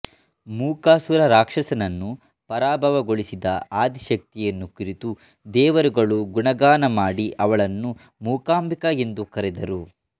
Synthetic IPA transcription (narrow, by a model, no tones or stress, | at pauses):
muːkaːsuɾɐɾaːkʂɐsɐnɐnːu | pɐɾaːbʱɐʋɐɡoɭisid̪ɐaːd̪iʃɐk̚t̪ijɐnːukiɾit̪u | d̪ɛːʋɐɾuɡɐɭuɡuɳɐɡaːnɐmaːɽiʔɐʋɐɭɐnːu | muːkaːmbikɐe̞nd̪ukɐɾɛd̪ɐɾu